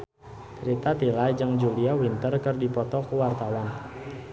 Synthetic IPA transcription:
t͡ʃɾit̪at̪ilajd͡ʒəŋd͡ʒuliawint̪ərkɨrdipɔt̪ɔkuwart̪awan

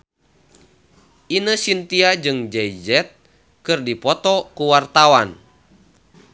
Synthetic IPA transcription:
ʔinəsint̪iad͡ʒɨŋd͡ʒɛjd͡ʒɛt̪̚ | kɨrdipɔt̪ɔkuwart̪awan

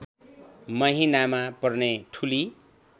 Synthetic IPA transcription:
mʌɦinamapʌrneʈʰuli

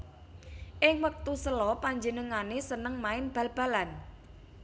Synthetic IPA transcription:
ʔɪŋwək̚t̪usəlɔpaɲd͡ʒənəŋanesənəŋmaɪnb̥ä̤lb̥a̤lan

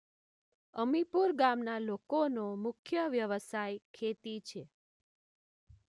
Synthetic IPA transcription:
əmipuɾɡamnalokonomʊkʰjəʋjəʋəsajkʰet̪it͡ʃʰe

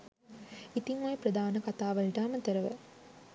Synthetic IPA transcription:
it̪iŋːojepɾɐd̪aːnɐkɐt̪aːʋɐɭʈaːmɐt̪ɐɾɐʋə̰

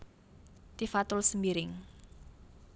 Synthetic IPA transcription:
t̪ifat̪ʊlsəmbiɾɪŋ

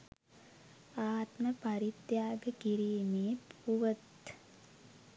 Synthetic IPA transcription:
aːt̪məpɐɾit̪jaːbɐkiɾiːmeːpuʋət̪

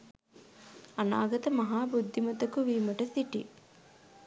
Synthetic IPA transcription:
ɐna̰ːɡɐt̪ɐmɐɦaːbud̪ʱːimɐt̪ɐkuʋiːmɐʈɐsiʈi

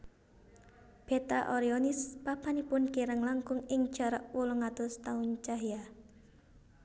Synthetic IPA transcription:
b̥et̪aʔoɾiɔnɪspapanipʊnkiɾəŋlaŋkʊŋɪŋ̥ʒ̥a̤ɾə̰ʔwuluŋat̪ʊst̪aʊnt͡ʃaɦja

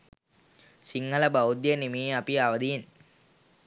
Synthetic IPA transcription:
siŋːəlɐbawd̪jənimijeapiaːʋɐd̪ijen

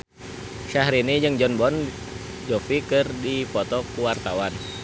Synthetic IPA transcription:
ʃahɾinid͡ʒɨŋd͡ʒɔnbɔn | d͡ʒɔfikɨrdipɔt̪ɔkuwart̪awan

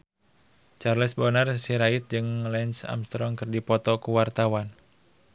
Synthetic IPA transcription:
t͡ʃarlɛsbɔnərsiɾait̪̚d͡ʒɨŋlɛnsa̰mst̪ɾɔŋkɨrdipɔt̪ɔkuwart̪awan

